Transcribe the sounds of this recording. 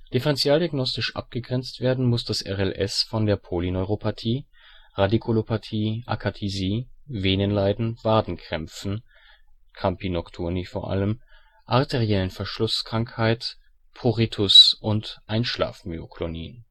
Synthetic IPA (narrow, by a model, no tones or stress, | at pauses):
d̥ɪfəʁɛnt͡sjaːldiaɡnɔstɪʃʔa̰p̚ɡ̥əɡʁɛnt͡stv̥eːɐdn̩mʊsd̥asʔɛʁɛlʔɛ̰sfɔndeːɐpʰolinɔʏʁopʰatʰiː | ʁadikʰulopatʰiːʔa̰kʰatʰiziːveːnənlaɪdn̩v̥aːdn̩kʁ̥ɛmp͡fn̩ | kʰampinɔktʰuɐnifoːɐʔa̰ləm | ʔaɐtʰeʁiɛlənfɛɐʃlʊskʁ̥aŋkhaɪt | pʰoʁitʰʊsʔʊntʔaɪnʃla̰ːfmø̰oklonḭːn